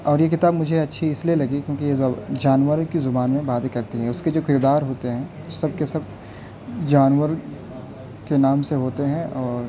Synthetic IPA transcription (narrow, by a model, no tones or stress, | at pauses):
ɔːɾjekɪt̪aːbmʊd͡ʒʱeɐtːʃʰiɪslielɐɡikjõːk̬ijed͡ʒaːnʋəɾkizʊbaːnmẽbaːd̪ekɐɾt̪iɦɛ̃ʊsked͡ʒoːkɪɾid̪aːɾɦoːt̪eɦɛ̃ː | osɐb̚kesɐb | d͡ʒaːnwəɾ | kenaːmseɦoːt̪eɦɛ̃ʔɔːɾ